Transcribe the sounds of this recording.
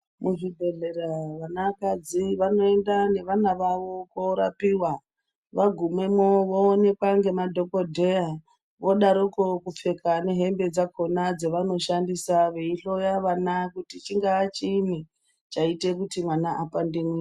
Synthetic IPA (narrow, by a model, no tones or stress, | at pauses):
muʐibʱe̞ɮeɾaʋanakad͡ziʋano̞e̞ndane̞ʋanaʋaʋo̞koɾapiwa | ʋaɡʱumwe̞moʋoːne̞kwaŋɡe̞madʱokodʱeja | ʋo̞ɗaɾokokup͡fe̞kʰane̞ɦe̞mbe̞d͡zakʰo̞nad͡zeʋano̞ʃandisaʋe̞iɬo̞jaʋanakutit͡ʃiŋɡaːt͡ʃini | t͡ʃaite̞kutimwanaʔapandimwi